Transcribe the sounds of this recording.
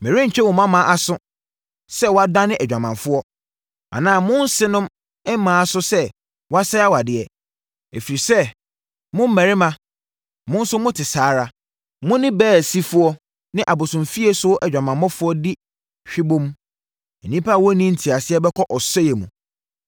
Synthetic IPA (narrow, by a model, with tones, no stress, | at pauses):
mɛ̃˨ɾĩ˦ɲ̩˨t͡ɕʰᶣɛ˦wʊ̃˨mã˦mã˨ʔa˨sʊ˦ | sɛ˦wɔ˦a˦dã˦nɪ̃˦ʔɛ˨d͡ʑᶣã˨mã˨fʊ˦ɔ˦ | ã̰˨nãː˦˨mʊ̃˦n̩˦sɪ˦nʊ̃˦m | ɛ˦mã˨a˨sʊ˦sɛ˦ | wɔ˦a˦sɛ˦a˦wa˨dɪ˨ɛ˨ | e˨fi˨ɾi˨sɛ˦ | mʊ̃˦m̩˦mæ̃˨ɾɪ˦mã˦ | mʊ̃˦n̩˦sʊ˦mʊ̃˦tʰɪ˨saː˨˦ɾa˦ | mʊ̃˦nɪ̃˦bɛː˦˨si˦fʊ˦ɔ˦ | nɪ̃˦ʔa˨bʊ˨sʊ̃˨mfi˦e˦sʊ˦ʔɛ˨d͡ʑᶣã˨mã˨˦ɔ˦fʊ˦ɔ˦dɪ˦ | ɕᶣi˦bõ˦m˦ | ɛ˨nĩ˦pa˦˨wɔ˦nĩ˦n̩˨tʰi˨a˨sɪ˦ɛ˦bɛ˦kʰɔ˦ʔɔ˨sɛ˦jɛ˨mũ˨